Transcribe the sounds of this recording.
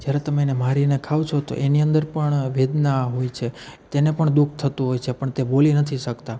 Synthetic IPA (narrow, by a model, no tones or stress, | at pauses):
d͡ʒjaɾet̪əmenemaɾinekʰawt͡ʃʰot̪o̰ʔeniənd̪əɾpəɳʋed̪naɦojt͡ʃʰet̪enepəɳd̪uk̚ʰt̪ʰət̪uɦojt͡ʃʰepəɳt̪ebolinət̪ʰiʃəkt̪a